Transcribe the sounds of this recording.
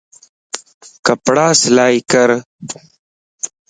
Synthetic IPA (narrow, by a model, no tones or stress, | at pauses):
kɐpɽaːslaːjkɐɾ